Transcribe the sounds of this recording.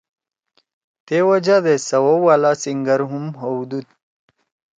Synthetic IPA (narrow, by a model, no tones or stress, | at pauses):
t̪ewɐd͡ʑad̪esɐwowalasiŋɡəɾɦumɦowd̪ut̪̚